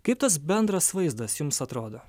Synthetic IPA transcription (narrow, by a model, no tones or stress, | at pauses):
kɐɪp̚t̪ɐs̬bʲɛnd̪ɾɐsʋɐɪzd̪ɐsjʊmsɐt̪ɾoːd̪oː